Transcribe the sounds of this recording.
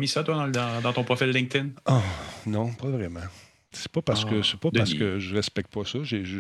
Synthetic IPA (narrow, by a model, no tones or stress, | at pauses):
misat̪wad̪ɑ̃ld̪ɑ̃d̪ɑ̃t̪ɔ̃pχɔfillːɛ̃ŋk̚t̪ɪnɔnɔ̃pɔvʁɛmã | sɛ̥pɔpaʁskəsɛpɔdpaʁssə̥kəʒəʁɛspɛk̚t̪̚pɔsɔʒeʒə